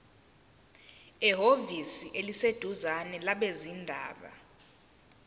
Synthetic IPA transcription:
ɛɦovisiʔelised̥ʱuzanɛlaɓezindʱa̰ːɓa̰

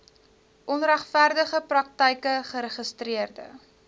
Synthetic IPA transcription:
ʔɔnræχfærdəχəprɐk̚təjkəχəɾəχəstriərdə̰

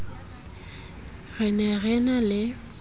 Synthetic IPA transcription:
ɣɛnɛɣɛnalɪ

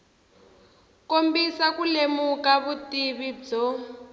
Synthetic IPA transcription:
kombisakulemukaβutiβid͡zɔ

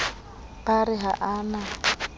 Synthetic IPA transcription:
paɾɪɦa̰ʔaːna

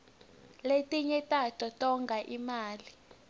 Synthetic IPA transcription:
letʼiɲɛtʼatʰʼɔtʼɔŋɡʱaʔimaːli

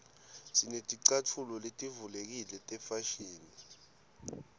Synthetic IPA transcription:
sinetʼiǀatʰulɔletʼivulek̬ilɛtʼɛfaʃiːni

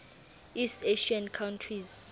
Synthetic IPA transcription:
istʰeʃiankʰawntʰriz

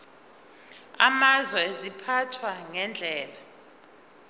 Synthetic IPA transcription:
amazwɛezipʰatʰwaŋɛnd͡ɮʱɛːla

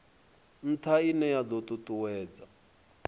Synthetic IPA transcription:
n̩tʰainɛjad̪ɔt̪ʼut̪ʼuwɛːd͡za

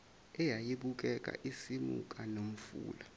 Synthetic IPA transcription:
ɛjajiɓuk̬ʼɛkʼa̰ʔisimṵkʼanom̩fṵːla

